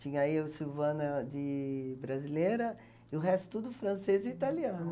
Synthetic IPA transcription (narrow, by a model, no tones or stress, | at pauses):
t͡ʃĩɲɐaiʊsiwvɐ̃nɐd͡ʒɪbɾazilejɾɐ | ɪʊɦɛst̪ʊ̥t̪ud̪ʊfɾɐ̃sezɪit̪aliɐ̃nʊ